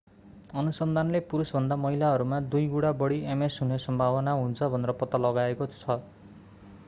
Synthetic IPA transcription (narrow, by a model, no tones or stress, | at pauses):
ʌnusʌnd̪ʱanlepuɾusbʱʌnd̪amʌɦilaɦʌɾumad̪ujɡuɽabʌɽiemesɦunesʌmbʱabʌnaɦunt͡sʰʌbʱʌneɾʌpʌt̪ːʌlʌɡaekot͡sʰʌ